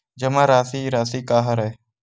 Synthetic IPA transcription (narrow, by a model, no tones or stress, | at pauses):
d͡ʒəmãːɾaːsiːɾaːsiːkaːɦaɾɛe